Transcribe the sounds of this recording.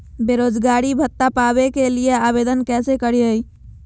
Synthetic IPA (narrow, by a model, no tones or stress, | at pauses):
beɾod͡ʒɡaɾibʱət̪ːapabekelijeabed̪ənkɛsekəɾiəj